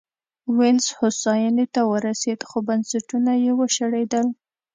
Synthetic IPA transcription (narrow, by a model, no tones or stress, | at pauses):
wɪnshosɑjənet̪awəɾased̪xobansaʈunajewəʃaɽed̪əl